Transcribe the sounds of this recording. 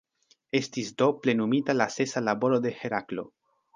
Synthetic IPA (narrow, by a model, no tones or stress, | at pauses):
e̞stisdo̞ple̞numitalase̞salabo̞ɾo̞d̪e̞he̞ɾaklo̞̰